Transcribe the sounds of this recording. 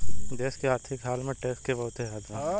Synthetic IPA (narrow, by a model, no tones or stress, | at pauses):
d͡ʒ̪eːskeaːt̪ʰɪkɦaːlmẽʈeːskebɐɦʊt̪ɦeɾaːd̪ʋãː